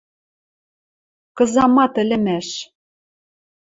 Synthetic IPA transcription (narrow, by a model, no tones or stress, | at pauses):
kɤ̆zɑmɑt̪ɘ̆lʲɘ̆mæʃ